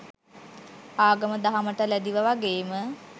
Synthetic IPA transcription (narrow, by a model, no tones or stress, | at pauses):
aːɡəməd̪aɦaməʈəlæd̪iʋəʋaɡeːmə